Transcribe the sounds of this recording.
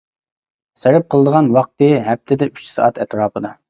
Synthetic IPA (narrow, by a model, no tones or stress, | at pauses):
seɾɪp̚qʰəlˠəd̪əʁɑnwɑq̚t̪ɨɦɛp̚t̪ʰɪd̪ɛyt͡ʃsɑ̰ʔɑt̪ʰɛt̪ɾɑːpəd̪ɑ